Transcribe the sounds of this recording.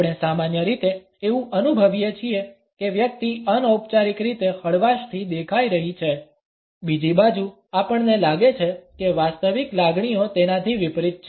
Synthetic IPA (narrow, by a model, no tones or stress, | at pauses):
ɽesamanjəɾit̪e | eʋũʔənubʱəʋijet͡ʃʰie | keʋjək̚t̪iənəwp̚t͡ʃaɾikɾit̪ehəɭʋaʃt̪ʰid̪ekʰaiɾəɦit͡ʃʰe | bid͡ʒibad͡ʒu | apəɳnelaɡet͡ʃʰekeʋast̪əʋiklaɡɳ̃ijot̪enat̪ʰiʋɪpɾit̪̚t͡ʃʰ